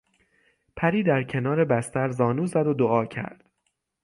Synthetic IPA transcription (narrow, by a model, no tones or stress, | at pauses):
pʰæɾiːd̪æɾcʰe̞nɒːɾebæst̪æɾzɒːnuːzæd̪od̪oɒːcʰæ̰ɾd̪̥